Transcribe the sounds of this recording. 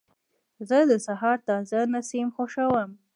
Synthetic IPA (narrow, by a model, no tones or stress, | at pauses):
zəd̪əsaɦɑɾt̪ɑzanasimxoʃawəm